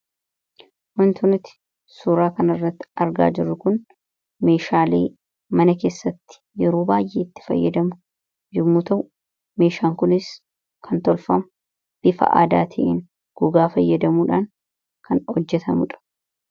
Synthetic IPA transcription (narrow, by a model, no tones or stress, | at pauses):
wɐnt̪ʰʊnɪt̪ɪ̥ | suːɾaːkɐnɐrːɐt̪ːɪ̥ɐɾɡa̰ːd͡ʒɪrːʊkʊn | me̞ːʃaːlḛː | mɐnɐke̞ːsːɐt̪ːɪ̥jɛɾoːbaːjʔeːɪt̪ːɪ̥fɐ̰jːɐd̪ɐmʊ | jʊmːuːt̪ɐ | me̞ːʃaːŋkʊnɪs | kʰɐnt̪ɔlfɐmʊ | b̥ɪfɐ̰ʔa̰ːd̪a̰ːt̪ʰɐʔḛːn | ɡ̥ʊɡaːfɐjːɐd̪ɐmuːᶑaːŋ | kʰɐnhɔd͡ʒːɛt̪ʰɐmʊᶑɐ̥